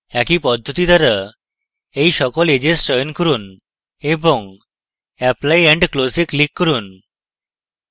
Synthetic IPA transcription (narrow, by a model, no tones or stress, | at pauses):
ɛkipɔd̪ʱːot̪id̪aɾa | ejʃɔkoled͡ʑesʈɾɔjonkɔɾun | eboŋ | ɛplajɛɳɖklosiklikːɔɾun